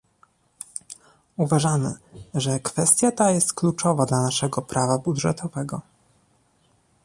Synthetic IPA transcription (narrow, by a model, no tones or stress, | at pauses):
uvaʐamɘ̰ʐɛkfɛst̪ʲjat̪ajɛst̪klut͡ʂɔvad̪lanaʂɛɡɔpɾʔavabud̪ʐɛt̪ʰɔvɛɡɔ